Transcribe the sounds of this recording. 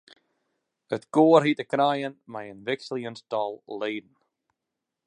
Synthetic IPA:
ətɡ̥oːɾɦitəkɾajənmajənvɪkslˠjənstɔlˠleːdn̩

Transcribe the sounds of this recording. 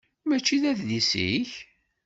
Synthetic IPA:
mæt͡ʃːiðæððisḭç

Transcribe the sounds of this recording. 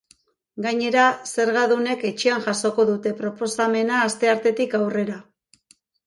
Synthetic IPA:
ɡaɲe̞ɾase̞ɾɣaðune̞ke̞t͡ʃianʝaso̞ko̞ðut̪e̞pɾo̞po̞same̞naːst̪e̞aɾt̪e̞t̪ikawre̞ɾa

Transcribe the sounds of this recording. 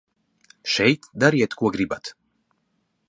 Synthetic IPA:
ʃɛjt̪d̪aɾiɛt̪kuɔɡɾibat̪

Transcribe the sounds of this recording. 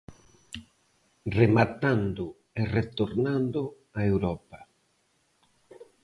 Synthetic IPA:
remat̪and̪ʊ | eret̪oɾnand̪ʊ | aewɾɔpa

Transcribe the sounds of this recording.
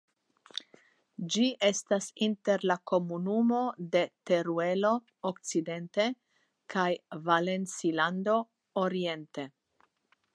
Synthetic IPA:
d͡ʒiʔe̞stasinte̞ɾlako̞munumo̞d̪e̞te̞ɾue̞lo̞ | okt͡side̞nt̪e̞ | kʰajvale̞nt͡siland̪o̞ | oɾie̞nte̞

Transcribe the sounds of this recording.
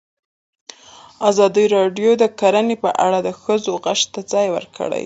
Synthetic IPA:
azɑd̪iɾɑɖjod̪əkaɾanepəʔa̰ɽad̪əxəzoɣaʂt̪ːad͡zɑjwə̰ɾkʰə̰ɽa̰j

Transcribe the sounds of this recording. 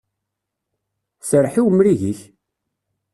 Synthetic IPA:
səɾħiwmɾiʝiç

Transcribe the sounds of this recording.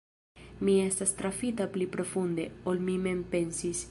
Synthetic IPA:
mie̞stast̪ɾafitaplipɾo̞fund̪e̞olmime̞mpe̞nsis

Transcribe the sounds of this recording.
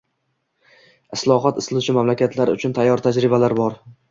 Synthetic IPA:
ɪslˠɒɦɒt̪ɪslˠʊt͡ʃʰɪmamlakʲat̪ʰlaɾʊt͡ʃʰʊnt̪ʰajːɒɾt̪ʰad͡ʒɾɪbalaɾbɒɾ

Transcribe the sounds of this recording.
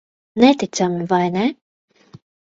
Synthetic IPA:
nɛt̪it̪samivajnɛ

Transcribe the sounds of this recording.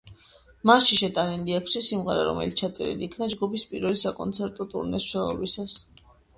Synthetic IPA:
masʃiʃɛt̪ʼanɛndiakʰʃisimʁɛɾa̰ɾɔ̰mɛ̰lit̪st͡ʃʰat̪sʼɛ̰ɾḭliːkʰnad͡ʒɡupʰispʼiɾɛlisakʼɔnt̪sʰɛɾt̪ʼɔt̪ʼṵɾnɛsʃɛlˠɔ̰bisas

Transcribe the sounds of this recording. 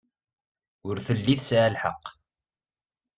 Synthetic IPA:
ʊɾθəlːiθsʕəlħə̰qː

